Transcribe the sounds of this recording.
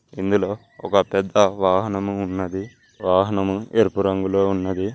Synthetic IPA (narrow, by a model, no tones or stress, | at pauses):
ind̪ulo̞ː | ɔkɐpɛd̪ːɐʋaːɦɐnɐmuːnːɐd̪i | ʋaːɦɐnɐmueɾpuɾɐŋɡuloːunːɐd̪i